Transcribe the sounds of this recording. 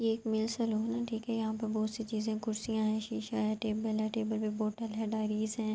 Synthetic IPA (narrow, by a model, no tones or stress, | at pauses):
jeeːkmɪlsɐloːɦnaʈʰiːkɦɛjɐɦãːpɐɾbɔːt̪sit͡ʃiːzẽkʊɾsijãɦɛ̃ːʃiːʃaɦɛ̃ʈeːbəlɦɛ̃ʈeːbəlbiboːʈəlɦɛ̃ɖaːɪɾiːzɦɛ̃ː